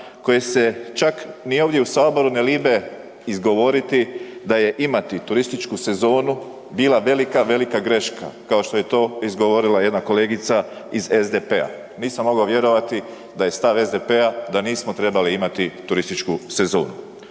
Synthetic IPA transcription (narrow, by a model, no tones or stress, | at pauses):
ko̞jese̞t͡ʃaknio̞ːʋd̪jeusaːbo̞ɾuneliːbe̞ | izɡo̞ʋo̞ɾit̪id̪aje̞ʔimat̪it̪uɾist̪it͡ʃkuse̞zo̞ːnu | biːlaʋe̞likaʋe̞likaɡɾe̞ʃkʰa̰kao̞ʃt̪o̞je̞t̪o̞ːizɡoʋo̞ɾilaje̞d̪nako̞le̞ːɡit̪saize̞zd̪epea̰ | niːsamːo̞ɡaoʋje̞ɾo̞ʋat̪i | d̪aje̞st̪aʋe̞zd̪e̞pe̞ad̪aniːsmot̪ɾe̞baliimat̪it̪uɾist̪it͡ʃkuse̞zo̞ːnu